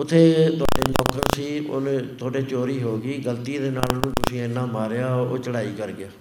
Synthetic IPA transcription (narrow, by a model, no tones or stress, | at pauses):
ʊt̪ʰːeːt̪ʊa̰ːɖeːlɔːkəɾsiːʊ̰nt̪ʰoːɖeːt͡ʃoːɾiːɦoːɡiːɡəlt̪iːd̪eːnaːlnũːt̪ʊsĩːenːãːmaːɾeaːo̰ːt͡ʃəɽaːiːkəɾɡɪaː